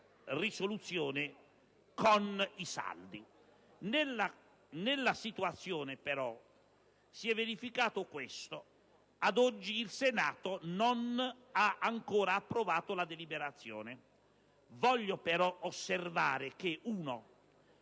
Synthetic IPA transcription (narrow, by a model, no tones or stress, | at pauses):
risolut̪sːjɔːnɪ | konisa̰ld̪i | nla | nɪlːasit̪uat̪sːjɔːnɪpeɾɔ | siɛvːeɾifikaːt̪ʊkwɪst̪o | ad̪ɔd͡ʒːiːlsenaːt̪onon | aʔaŋkɔːɾaːpːɾovaːt̪ʊlad̪elibɛɾat̪sːjɔ̰ːnɪ | vɔʎːopeɾɔosːervaːɾɪk̟eʔuːno